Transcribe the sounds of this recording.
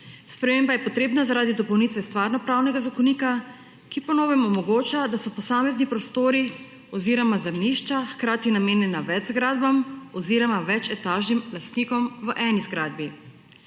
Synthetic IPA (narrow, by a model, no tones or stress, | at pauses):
spɾɛmeːmbajɛpɔt̪ɾeːbnazaɾaːd̪id̪ɔpɔwniːt̪ʋɛst̪ʋaːɾnɔpɾaːwnɛɡazakɔnika | kipɔnoːʋɛmɔmɔɡoːt͡ʃad̪asɔpɔsaːmɛznipɾɔst̪oːɾi | ɔziːɾɔmazɛmniʃt͡ʃaxkɾaːt̪inameːnjɛnaʋɛd͡ʒzɡɾaːd̪bamɔziːɾɔmaʋɛt͡ʃɛt̪aːʒnimlast̪niːkɔmʋəʔɛːnizɡɾaːd̪̚bi